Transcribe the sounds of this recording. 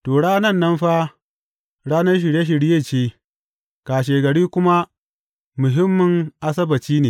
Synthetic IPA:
toː˨ɽaː˦nɐ˦˨nːɐ˦mɸa˦ | ɽaː˦nɐ˦rʃ̬ɪ˨ɾje˦ʃ̬ɪ˨ɽjeː˦˨t͡ʃeː˦ | kaː˨ʃ̬eː˨ɡɐ˨ɽiː˦kʷʊ˦ma˦ | mʊ˨ɦɪ˦mːʊ˨ŋʔa˦sɐ˦bɐ˨t͡ʃiː˦neː˨

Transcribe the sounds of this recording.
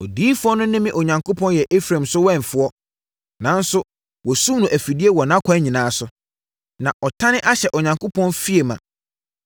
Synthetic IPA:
ɔ˨diː˦fʊ˦ɔ˦nʊ̃˦nɪ̃˦mɪ̃˦ʔo˨ɲã˨ŋko˦pʰɔ̃˦njɛ˨ʔe˦fɾã˨msʊ˦wɛ̃˦ɱ˨fʊ˦ɔ˦ | nã˨n˦sʊ˦ | wɔ˨su˦nũ˨ʔæ˨fi˨di˦e˦wɔ˨nã˦kʷʰã˦ɲĩ˨nãː˨˦sʊ˦ | nã˨ʔɔ˨tʰã˦nɪ̃˦ʔa˦ɕɛ˨ʔɔ˨ɲã˨ŋkʰo˦pʰɔ̃˦nfi˦e˨mã̰˨

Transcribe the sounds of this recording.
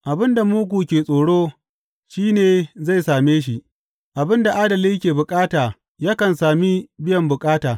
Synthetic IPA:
ʔa˨bɪ˦nda˨muː˦ɡʷuː˨kʲeː˨sʼoː˨ɽoː˦ | ʃiː˦neː˨za˦˨jsaː˨meː˦ʃ̬i˦ʔ | ʔa˨bɪ˦nda˨ʔaː˦dɐ˨li˦kʲeː˨bʊ˨kʼaː˦taː˨ | jaː˦kɐ˨nsaː˨mi˦bɪ˦jɐ˨mbʊ˨kʼaː˦taː˨

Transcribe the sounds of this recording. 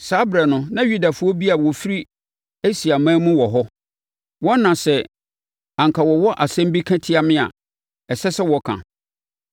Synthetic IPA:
saː˨˦bɾɛ˨nʊ̃˦nã˦ɥu˦da˨fʊ˦ɔ˦bi˦a˨wɔ˨fi˦ɾi˦ | e˦si˨a˨mãː˦mũ˦wɔ˨ɦɔ˦ | wɔ˦nːã˨sɛ˨ | ã˨ŋ̩˨kʰa˨wɔ˨wɔ˦ʔa˨sɛ̃˦m˦bi˦kʰã˦tʰi˦a˨mɪ̃˦a̰˨ | ɛ˨sɛ˦sɛ˦wɔ˨kʰã̰˨

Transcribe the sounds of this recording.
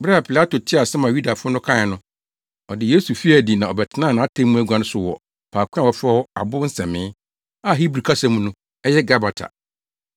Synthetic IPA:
bɾɛ˦a˨pʰi˨la˦to˨tʰɪ˦a˨sɛ˦mã˨ju˦da˨fʊ˦ɔ˦nʊ̃˦kʰã˦ɪ˨nʊ̃˦ | ɔ˨dɪ˨je˦su˨fi˦æ˨di˨nã˨ɔ˨bɛ˨tʰɪ˦nãː˦˨nã˨˦a˦tʰɛ̃˦mũ˦æ˦ɡʷã˦nʊ̃˦sʊ˦wɔ̰˨ | pʰaː˨kʰʷʊ˦a˦˨wɔ˨fɛ˦ɔ˦a̰˨bʊ˦n̩˦sɛ̰̃˨mɪ̃ː˦ | a˦ɦi˦bɾi˨kʰa˦sã˦mũ˦nũ˦ | ɛ˦jɛ˦ɡa˦ba˨tʰa̰˨

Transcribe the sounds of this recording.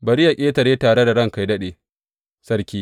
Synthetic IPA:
bɐ˨ɽɪ˦ja˨kʲʼeː˦tɐ˨ɾeː˦taː˨ɽe˦da˨ɽɐ˦˨ŋka˨jdɐ˦ɗeː˨ | sɐ˦ɾkʲiː˦

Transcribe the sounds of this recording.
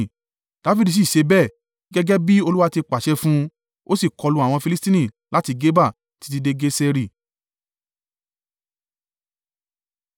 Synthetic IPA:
d̥a˨˦fi˦di˨˧s̬i˦˨ʃe˧bɛː˦˨˦ | ɡɛ˦ɡɛ˦bi˦o˧lu˦wa˦ti˧k͡pa˨ʃɛ˦fũ˦ | o˦si˦˨kɔ˨˧lu˧˦a˨w̃ɔ̃˧fi˧li˦stĩ˦nĩ˦˨ | la˦ti˧ɡe˦ba˦˨ | ti̥˧ti˧de˦ɡe˦sɛ˧ɾi˦˨

